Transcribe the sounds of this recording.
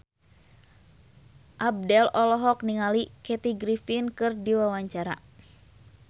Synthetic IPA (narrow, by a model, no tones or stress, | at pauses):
ʔab̚dɛlɔlɔɦɔk̚niŋalikɛt̪iɡɾifinkɨrdiwawaɲt͡ʃaɾa̰